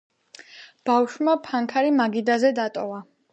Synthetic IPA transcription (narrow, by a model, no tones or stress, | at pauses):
b̥awʃmapʰaŋkʰaɾimaɡid̪azɛd̪at̪ʼɔva